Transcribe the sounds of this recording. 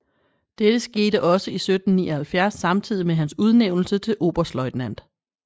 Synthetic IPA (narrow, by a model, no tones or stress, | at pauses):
d̥ed̥əsɡ̥e̝ːɾəʔɒ̽səisød̥n̩nḭːɒ̽hælfjæɐsːɑ̈mt͡sʰið̞̰ˠimeɦænsuð̞ˠneʊ̰nl̩sət͡sʰe̝lʔo̝̰ːb̥ɐslɒ̽ɪd̥næn̰d̥